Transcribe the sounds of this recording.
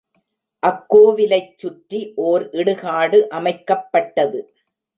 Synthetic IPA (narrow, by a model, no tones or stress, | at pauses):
ʔɐkːoːʋɪlɐɪt͡ʃːʊʈɾiʔoːɾʔɪɽɯɣaːɽɯʔɐmɐɪkːɐpːɐʈːɐðɯ